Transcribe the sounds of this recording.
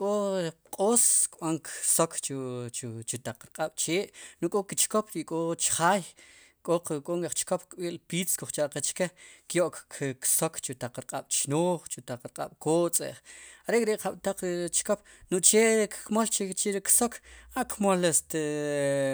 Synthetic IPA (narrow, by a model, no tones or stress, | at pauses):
kʼoqʼoːskɓaŋksokt͡ʃ | t͡ʃut̪aq͡χɾqʼaɓ̥t͡ʃeːʔnuʔkʼokit͡ʃkopɾiʔkʼot͡ʃχaːj | kʼoqkʼoːŋaχt͡ʃkop̚kɓiːlpiːt͡skuχt͡ʃaʔqet͡ʃkekjoʔkksokt͡ʃut̪aq͡χɾqʼaɓ̥t͡ʃnoːχt͡ʃut̪aq͡χɾqʼa̰ɓ̥koːt͡sʼḛʔχaɾeʔkʼɾeʔqaɓ̥t̪aq͡χɾt͡ʃkop̚nuʔt͡ʃeːʔkːmolt͡ʃet͡ʃiɾiksokʰaʔkmolest̪e